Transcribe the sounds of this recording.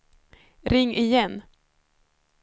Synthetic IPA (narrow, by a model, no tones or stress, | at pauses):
ɾɪŋːʔɪjɛnː